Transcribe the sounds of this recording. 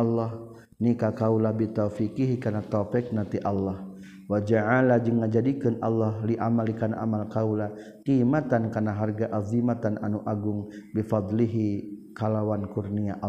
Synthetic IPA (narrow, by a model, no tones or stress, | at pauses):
lːah | nikakawlabit̪ofikiɦikarnat̪ɔfɪk̚nat̪iʔɑlːah | wad͡ʒaʕalad͡ʒəŋːad͡ʒadikənʔɑ̰lːaɦliʔamalikanaʔa̰malkaula | qiːmat̪ankarnaɦarɡaʔazimat̪anʔanuʔaɡʊŋbifɑd̪liɦikalawankurniaʔ